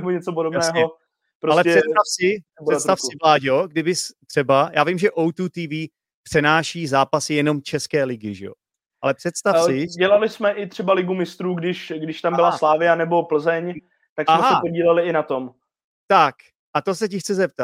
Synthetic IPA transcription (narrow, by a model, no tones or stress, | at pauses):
muɲɛt͡sopodobnɛsːɦoɛ | pɾoalɛɛst̪afsɪpɛbɛst̪afsɪvlaːɟoɡdɪbɪst̪r̥ɛbajaːvɪmʒɛʔowt̪ut̪iːviː | pr̥ɛnaːʃiːzaːpasɪjɛno̞mt͡ʃɛskɛːlɪɡɪʒɛ̰jo̰ | ʔalɛpr̥ɛt̪st̪afsɪɟɛlalɪsmɛʔɪt̪r̝̥ɛbalɪɡumɪst̪ɾuːɡdɪʃɡdɪʃt̪ambɪlasslaːvɪanɛbo̞pl̩zɛɲ | t̪aksamɛɦasɛpoɟiːlɛlɪɪnat̪om | t̪ak | ʔat̪osɛcɪxtt͡sɛzɛp̚t̪at̪